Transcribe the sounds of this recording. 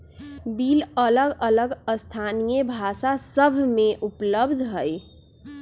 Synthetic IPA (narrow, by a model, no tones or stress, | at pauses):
bilələɡələɡəst̪ʰanijəbʱasasəbʱmeʔupləbd̪ʱɦəj